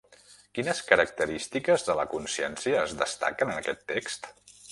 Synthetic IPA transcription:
kinəskəɾək̚t̪əɾist̪ikəzðələkunsiɛnsiəːzðəst̪a̰kənənəkɛt̪ːekst̪

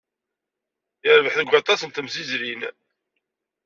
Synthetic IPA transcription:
jəɾvəħθəɡʷɑt̪ˤɑsənt̪əmzizɾin

